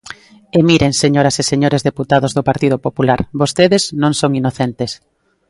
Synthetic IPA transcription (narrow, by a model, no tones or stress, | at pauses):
emiɾeŋseɲoɾaseseɲoɾezðeput̪aðozðopaɾt̪iðopopulaɾβost̪eðeznõŋsoŋinoθent̪es